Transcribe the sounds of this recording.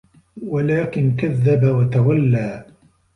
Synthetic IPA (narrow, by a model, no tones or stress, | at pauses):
walaːkɪnkaðːabawat̪awalːaː